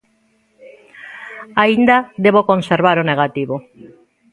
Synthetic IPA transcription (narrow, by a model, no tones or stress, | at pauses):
aind̪ad̪eβokonseɾβaɾoneɣat̪iβo